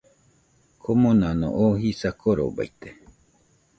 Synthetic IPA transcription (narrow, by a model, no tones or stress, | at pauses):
kʰomõnãnõ̰ʔohisakʰoɾo̰ba̰it̪e